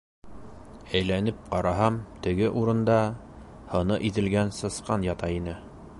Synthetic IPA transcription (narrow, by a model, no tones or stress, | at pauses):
æjlænɘp̚qɑɾɑɦɑmt̪ɘ̆ɡɘʔuɾɤ̆nd̪ɑ | hɤ̆nɤʔit̪ɘ̆lɡænsɤ̆sqɑnjɑt̪ɑinɘ